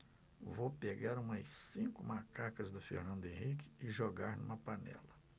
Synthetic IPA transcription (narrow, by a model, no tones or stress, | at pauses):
vopeɡaɾũmɐssĩkʊmakakɐzd̪ʊfḛɾnɐ̃nd̪ʊẽɦikɪ̥ɪʒoɡaɾnũmɐpanɛ̰lɐ